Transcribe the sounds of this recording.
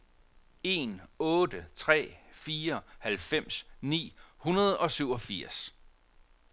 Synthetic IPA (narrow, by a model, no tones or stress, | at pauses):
e̝nɔ̽ːd̥ət͡sʰʁɛ̰ːfiːɐhælfem̰snḭːhunɐð̞ˠɒ̽syʊ̰ɒ̽fiɐ̰s